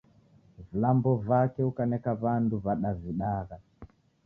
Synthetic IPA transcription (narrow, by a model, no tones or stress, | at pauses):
vilambɔvakɛukanɛkaβanduβaɗaviɗaɣa